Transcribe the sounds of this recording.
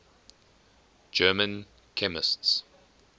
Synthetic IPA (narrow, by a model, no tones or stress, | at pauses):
d͡ʒɜːmə̃n | kʰɛmɪsts